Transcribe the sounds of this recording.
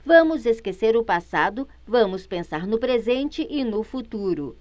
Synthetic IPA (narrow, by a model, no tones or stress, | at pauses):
vɐ̃mʊzeskeseɾʊpasad̪ʊ | vɐ̃mʊspẽsaɾnʊpɾezẽnt͡ʃɪʔɪnʊfut̪uɾʊ